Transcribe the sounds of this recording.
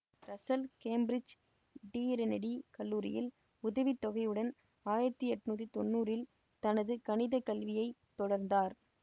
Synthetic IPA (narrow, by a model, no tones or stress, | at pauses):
ɾɐsɐlkeːmbɾɪd͡ʒ | ɖiːɾɛnɐɽikɐlːuːɾɪ̰jɪl | ʊðɐʋit̪ːɔɣɐjɯɽɐn | aːjɪɾɐt̪ːɯɛʈːɯnuːt̪̬ːit̪ɔnːuːɾɪl | t̪ɐnɐðɯkɐɳɪðɐkɐlʋɪjɐɪt̪ːɔɽɐɾnd̪aːɾ